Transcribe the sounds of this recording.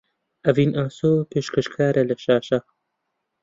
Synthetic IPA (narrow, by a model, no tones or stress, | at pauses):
ɐvinʔaːsoːpeːʃkɐʃkʰaːɾʔelɐʃaːʃɐ